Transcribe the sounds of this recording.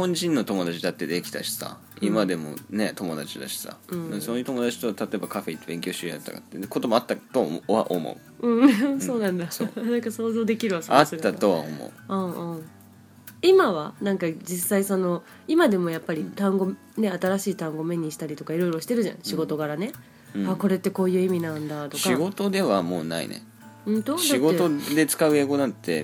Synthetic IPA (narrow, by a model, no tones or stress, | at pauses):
hõɲ̟d͡ʑĩnːo̞t̪o̞mo̞d̪at͡ɕid̪at̪ːe̞d̪ekʲt̪a̰ɕi̥sa̰ | imad̪e̞mo̞̰ne̞t̪o̞mo̞d̪a̰t͡ɕid̪a̰ɕi̥sa̰ɯ̃ːd̪sojɯ̟t̪o̞mod̪at͡ɕi̥t̪o̞t̪ʰat̪o̞e̞bakaɸe̞it̪ːebẽ̞ŋkʲo̞ːɕija̰t̪ːaka̰t̪ːeko̞t̪o̞moat̪ːat̪oβa̰ʔo̰mo̰ɯ̟ | ɯ̟̃ːso̞ːnãnd̪aso̰nãŋkaso̞ːzo̞ːd̪e̞kʲiɾɯ̟βasoasɨːat̪oβa̰o̰mo̰ɯaãː | imaβanãŋkad͡ʑisːaiso̞no̞ | imad̪e̞mo̞japːaɾʲit̪ãŋɡo̞ | ne̞at̪aɾaɕiːt̪ãŋɡo̞me̞ɲ̟iɕi̥t̪aɾʲit̪o̞kaiɾo̞iɾo̞ɕi̥t̪e̞ɾɯ̟ʑã̰ɕiɡo̞t̪o̞ɡaɾane̞ | ako̞ɾe̞t̪ːe̞ko̞ːjɯ̟ːimʲinãnd̪at̪o̞ɕkaiɡo̞t̪o̞d̪e̞βamo̰ːna̰ḭnḛ | ɯ̟̃nt̪oiɡo̞od̪e̞t͡sɨ̥kaɯ̟e̞ːɡo̞nãnt̪ːe̞̰